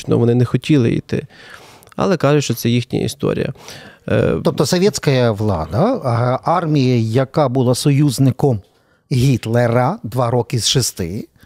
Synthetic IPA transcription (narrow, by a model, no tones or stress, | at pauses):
nɔ̰ʋɔnɪnɛxɔtʲilˠɪ̰ḭt̪ɪ̰ | ɐ̰lˠɛkɑʒʊtʃt͡ʃɔt̪sɛjixnʲḭj̰ḭst̪ɔ̰ɾʲijɐ̰ | t̪ɔpt̪ɔsɔʋʲjɛt̪t͡sʲkɐjɐʋlˠɑ̰d̪ɐɑrmʲijɐjɐkɑbʊlˠɑsɔjuznɪkɔm | ɦʲit̪lˠeɾɐd̪ʋɑɾɔkɪzʃɪst̪ɪ̰